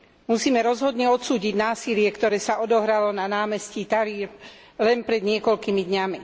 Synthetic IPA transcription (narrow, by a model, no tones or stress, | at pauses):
musiːmɛɾɔzɦɔd̪ɲɛɔt̪suːɟiɟnaːsilɪɛkt̪ɔɾɛːsaɔd̪ɔɦɾalɔnanaːmɛscit̪aɾiːɾ | lɛnpɾɛd̪ɲɪɛkɔlkimid̪ɲami